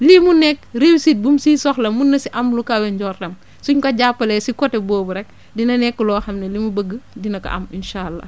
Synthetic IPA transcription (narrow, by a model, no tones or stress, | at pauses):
limunɛkɾewisit̚bumsiːsɔxlɐmunːɐsiʔɐmlukawɛɲɟɔːrːɐm | suɲkɐɟapːɐlɛsikɔtɛbɔːbuɾɛk̚ | dinɐnɛkːulɔːxɐmnɛlimubəɡːədinɐkɐ̰ʔɐ̰minʃaːlːɐ̰